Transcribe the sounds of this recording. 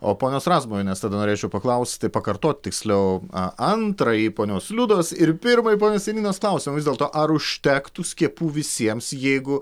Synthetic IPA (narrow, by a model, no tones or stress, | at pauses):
o̰ːpoːnʲoːsrɑːzmoːɪnʲɛst̪ɐːd̪ɐnoːɾʲeːt͡ʃʲɛʊpɐklˠɐʊsʲt̪ʲt̪ʲɪpɐkɐɾt̪oːt̪ʲt̪ʲɪksʲlʲɛʊɐɐnt̪ɾɐjipoːnʲoːslʲʊd̪oːsɪɾpʲɪɾmɐjipoːnʲoːsʲiɛnʲiːnoːsklˠɐʊsʲɪmɐʋʲɪzd̪ʲeɛlˠt̪oːʔɐɾʊʃʲt̪ʲɛkt̪ʊsʲkʲiɛpuːʋʲɪsʲiɛmsjɛɪɡʊ